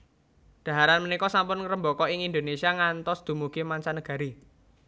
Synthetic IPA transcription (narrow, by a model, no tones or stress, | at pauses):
d̪̥ä̤ɦaɾanmənikɔsampʊnŋɾəmbokɔɪŋind̪onesiaŋant̪ɔsd̪̥ṳmuɡ̥emaɲt͡ʃanəɡ̥ä̤ɾi